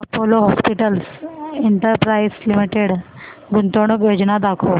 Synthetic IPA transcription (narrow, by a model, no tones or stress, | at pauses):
poloɦɔspiʈəlseɳʈəɾpɾaislimiʈeɽ | ɡunt̪oɳ̃əkjod͡ʑnad̪akʰo